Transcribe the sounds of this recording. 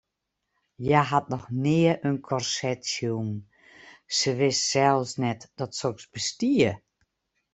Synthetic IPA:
jaɦat̚nɔxnɪəʔənkʰɔrsɛtsjun | səʋɪssɛlˠsnɛtd̥ɔtsoksbəstiə

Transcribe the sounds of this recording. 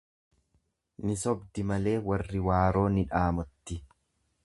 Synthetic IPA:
nɪsɔbd̪ɪmɐle̞ːwɐrːɪwaːɾo̞ːnɪᶑaːmɔt̪ːɪ

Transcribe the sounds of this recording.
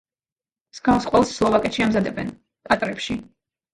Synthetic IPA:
sɡavsqʼwɛlˠsːlˠɔvakʼɛʃiamzad̪ɛbɛ̰n | kʼat̪ʼɾɛpʃi

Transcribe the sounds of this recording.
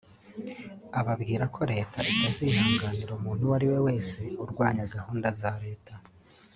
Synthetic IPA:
aβabɡiːɾakʰo̞ɾe̞ːtʰaʔitazihaːŋɡaːniɾomuːn̥huwaɾiwe̞we̞ːse̞uɾɡwaːɲaɡahuːndazaɾe̞ːtʰa

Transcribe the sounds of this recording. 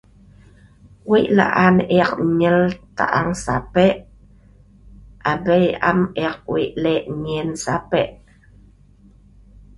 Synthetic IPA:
wiʔla̰ʔanɛaq̚ɲəlt̪a̰ʔaŋsapɛʔ | ʔabəjʔa̰mɛq̚wḭʔlɛʔɲinsapɛʔ

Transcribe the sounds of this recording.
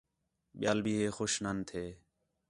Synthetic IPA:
ɓɪjaːlbʱiːɦeːxoːʃnənt̪ʰeː

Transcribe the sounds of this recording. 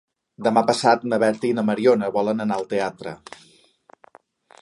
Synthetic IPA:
d̪əmapəsat̪nəβɛɾt̪inəməɾionəβɔlənənaəlˠt̪eat̪ɾə̰

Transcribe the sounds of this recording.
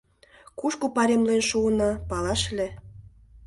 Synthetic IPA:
kuʃkupɑɾemlenʃuənɑ̆pɑlɑʃlʲe

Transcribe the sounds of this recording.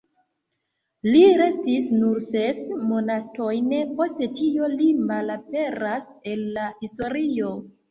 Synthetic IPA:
liɾe̞stisnuɾsesmo̞nato̞jnpo̞ste̞tio̞limalape̞ɾase̞lːahisto̞ɾio̞

